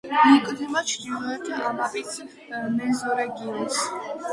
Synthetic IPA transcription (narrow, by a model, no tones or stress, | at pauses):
ikʼd̪ɛmat͡ʃʰd̪ilˠɔɛɾt̪ʰaʔamapʼit̪sʰ | mɛzɔɾɛɡiɔns